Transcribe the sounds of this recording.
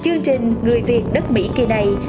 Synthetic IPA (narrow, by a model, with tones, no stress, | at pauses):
t͡ɕɨ˧əŋt͡ɕï˨˩ŋ̟ŋɨ˨˩əjvi˨˩ət̚ɗə˦˥t̚mḭ˧˥ki˨˩na˨˩j